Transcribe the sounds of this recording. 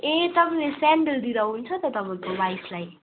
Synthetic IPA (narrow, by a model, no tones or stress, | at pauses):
ẽt̪ʌbaĩlesɛɳɖəld̪iɾʌɦunt͡sʰʌt̪ʌt̪ʌbãĩkobajslaj